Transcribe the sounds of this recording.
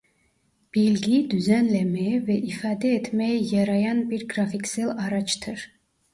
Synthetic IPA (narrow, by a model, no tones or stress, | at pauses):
b̥ilɡid̪yzænlɛmɛjvɛʔifaːd̪ɛɛt̪ʰmɛjɛjɑɾɑjanbiɾɡɾafiksɛlɑɾɑt͡ʃʰt̪ʰɯɾ